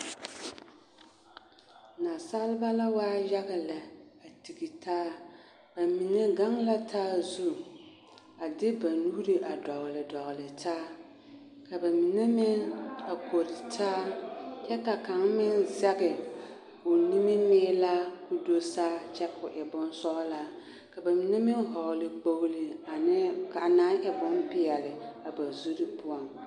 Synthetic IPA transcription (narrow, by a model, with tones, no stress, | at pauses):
na˨sa˦lba˦la˦waː˦ja˦ɣɪ˨la˨a˨ti˨ɡi˨tʰaː˦ | b̥a˨mi˨ne˦ɡa˦ŋla˦tʰaː˦zu˦ | a˨dɪ˦ba˨nuː˦ɾi˨ʔa˨dɔ˨ɣlɪ˨dɔ˨ɣlɪ˨tʰaː˦ | ka˨ba˨mi˨ne˦mɪ˦ŋa˨kʰo˨ɾtʰaː˦t͡ʃʰɛ˦ka˨kʰã˨˦ŋ˦mɪ̃˦n˦za˦ɡɪ˨ | o˨nĩ˦mĩ˦mɪː˦la˦ku˦do˦saː˦t͡ʃʰɛ˦kʰʊ˨ʔɛ˨bʊ̃˦n˦sɔ˦la˦ | kʰa˨ba˨mĩ˨nã˦mɪ̃˦n˦ɦɔ˨lɪ˨k͡po˦wlɪ˨a˨nɪ̃˦kʰa˨nã˦nɛ˨bʊ̃˦nbɪ˨a˨lɪ˨a˨ba˨zu˦ɾɪ˦pʰʊ˦ã˨n